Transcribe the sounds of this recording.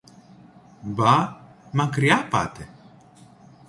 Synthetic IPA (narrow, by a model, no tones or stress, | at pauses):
bamakɾijapa̰t̪ɛ